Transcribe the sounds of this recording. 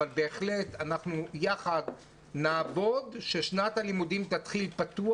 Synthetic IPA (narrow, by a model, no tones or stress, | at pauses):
albe̞ːχle̞t̪anaχnujaχad | naːvo̞d̪ʃe̞ʃnatalimudimt̪at̪χilpat̪u